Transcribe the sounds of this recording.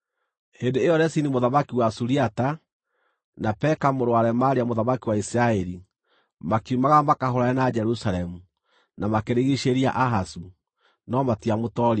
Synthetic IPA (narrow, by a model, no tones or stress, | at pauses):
hendeejɔɾɛsinimoðamakiwasuɾiata | napɛkamoɾowaɾɛmaɾeamoðamakiwaisiɾaɛɾi | makiumaɣamakaɦoɾaɛnad͡ʒɛɾusaɾɛmu | namakeɾeɣiʃeɾia̰ʔaɦasu | nɔmatiamotɔɾ